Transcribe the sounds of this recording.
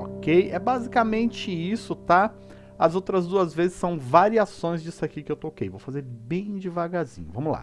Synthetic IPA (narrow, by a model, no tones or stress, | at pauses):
ɔkejɛbazikamẽnt͡ʃɪisʊt̪a | ɐzowt̪ɾɐzd̪uɐzvezɪsːɐ̃w̃vaɾiasõj̃zd͡ʒisʊakikɪewt̪okejvowfazeɾbẽj̃d͡ʒɪvaɡazḭ̃ɲʊvɐ̃mʊla̰